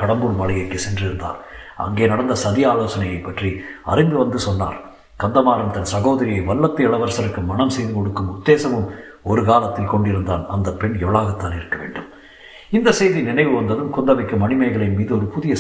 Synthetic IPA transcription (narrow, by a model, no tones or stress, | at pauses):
kɐɽɐmbɯɽmɐɭɐjɐrkɯsɛndrɪɾɯnd̪a̰ːɾɐ̰ŋɡeːnɐɽɐnd̪ɐsɐðɪjɐaːloːsɐnɐjɐɪpːɐʈriɐ̰rɪnd̪ɯʋɐnd̪ɯsɔnːa̰ːɾ | kɐnd̪ɐmaːɾɐmt̪ɐnsɐɣoːðɐɾɪjɐɪʋɐlːɐt̪ːɯɐɭɐʋɐɾsɐɾɯkːɯmːɐnɐmsɛjðɯkɔɽɯkːɯmʊd̪ːeːsɐmɯm | ɔɾɯkaːlɐt̪ːɪlkɔɳɖɪɾɯnd̪a̰ːnɐnd̪ɐpːɛɳɛʋɐɭaːɣɐt̪ːaːnɪɾɯkːɐʋḛːɳɖɯm | ɪnd̪ɐsɛjðinɪnɐɪʋɯʋɐnd̪ɐðɯmkɔnd̪ɐʋɐɪkːɯmːɐnɪmɐɪɣɐɭɐɪmiːðɯɔɾɯpʊðɪjɐ